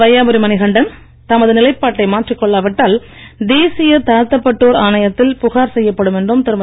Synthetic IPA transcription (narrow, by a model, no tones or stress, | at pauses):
ʋɐjaːbɯɾimɐnɪɣɐɳɖɐn | t̪ɐmɐðɯnɪlɐɪpːaːʈːɐɪmaːʈrikːɔɭːɐʋɪʈːaːl | d̪eːsɪjɐt̪ɐːɐt̪ːɐpːɐʈːoːɾaːnɐjɐt̪ːɪlpʊɣaːɾsɛjːɐpːɐɽɯmɛndrɯmt̪ɪɾɯmɐ